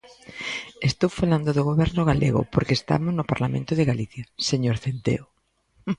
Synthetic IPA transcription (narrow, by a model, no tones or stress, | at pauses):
est̪owfaland̪ʊðoɣ̞oβɛɾnʊɣalʔḛɣʊ̰poɾkeːst̪a̰mʊznʊpaɾlamḛ̃nt̪ʊðɪɣaliθjɐseɲoɾθend̪ḛo